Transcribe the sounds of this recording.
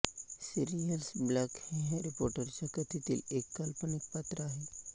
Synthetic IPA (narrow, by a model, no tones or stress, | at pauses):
siɾijəlsblakhɛ̃ɦɾɪpoːɾʈəɾt͡ɕakət̪ʰit̪ḭlekːalpənek̚pat̪ɾəaɦe